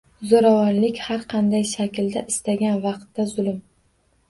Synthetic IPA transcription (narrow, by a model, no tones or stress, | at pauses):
zoɾavɒnlɪkʲhaɾqʰɑnd̪ajʃakʲld̪aʔɪst̪aɡʲanvɑqt̪ːazʊlˠɪm